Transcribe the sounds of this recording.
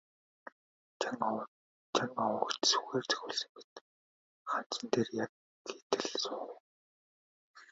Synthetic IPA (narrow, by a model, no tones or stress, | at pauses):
ŋ | t͡ɕʰaŋɔwəktsu̥xeːrt͡sʰɵ̥xʲuːɮsɘ̆ŋpit̪̚ | χan̥t͡ɕə̆nt̪eːrjak̚ | xet̪ɘ̆ɮsʊχ